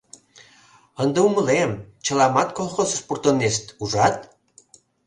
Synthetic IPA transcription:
ənd̪euməlemt͡ɕəlɑmɑt̪kolˠxossport̪oneʃt̪uʒɑt̪̚

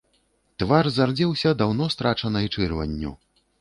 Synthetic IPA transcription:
t̪varzard͡zʲɛwsʲɐd̪awnɔst̪ɾʔat͡ʂɐnɐjt͡ʂɨrvɐ̰nʲːṵ

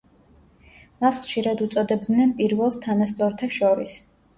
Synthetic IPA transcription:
masχʃiɾad̪ut̪sʼɔd̪ɛbd̪nɛnpʼiɾvɛlˠst̪ʰanast̪sʼɔɾt̪ʰaʃɔɾis

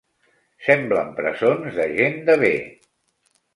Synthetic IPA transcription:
sɛmbləmpɾəzonzðəʒend̪əβe

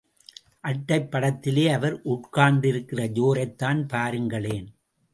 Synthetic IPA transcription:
ʔɐʈːɐɪpːɐɽɐt̪ːɪleːɐʋɐɾʔʊʈkaːɳɖɪɾɯkːɪrɐd͡ʒoːɾɐɪt̪ːaːnpaːɾɯŋɡɐɭeːn

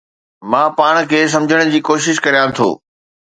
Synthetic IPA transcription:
mãːpaːɽ̃̆kʰeːs̬ɐ̃md͡ʑʱəɽ̃d͡ʑiːkoːʃɪʃkɐɾijãːt̪ʰo̰ː

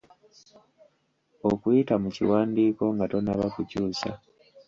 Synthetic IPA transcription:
o̞kwitamucḭwaːndiːko̞ŋɡato̞naβakucuːsa̰

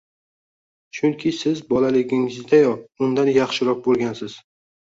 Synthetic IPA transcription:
t͡ʃʰʊŋkʲʰɪsɪzbɒlalɪɡʲɪŋɪzd̪ajɒʊnd̪anjɑχʃɪɾɒq̚bolˠɡʲansɪz̥

